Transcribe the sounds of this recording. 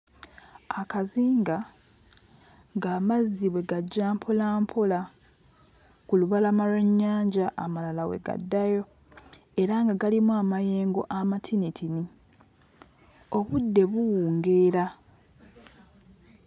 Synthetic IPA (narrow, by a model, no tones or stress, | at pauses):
akaziːŋɡa | ŋɡaːmaziβwe̞ɡaɟːaːmpʰolaːmpʰola | kuluβalamaleɲːaːɲɟaʔːmalalawe̞̰ɡa̰dːajo̞ | e̞ɾaŋɡaɡalimuamajeːŋɡo̞̰ʔamatʰinitʰini | o̞βudːe̞βuwuːŋɡe̞ːɾa